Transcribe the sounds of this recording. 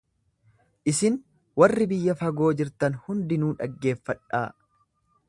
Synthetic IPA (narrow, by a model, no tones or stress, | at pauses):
ʔɪsɪn | wɐrːɪbɪjːɐfɐɡo̞ːd͡ʒɪɾt̪ɐnhʊnd̪ɪnuːᶑɐ̰ɡːe̞ːfːɐᶑaː